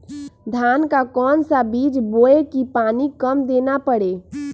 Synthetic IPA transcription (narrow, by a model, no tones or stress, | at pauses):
d̪ʱaːnkakɔːnsabiːd͡ʒboːekipaːnikəmd̪eːnapəɽeː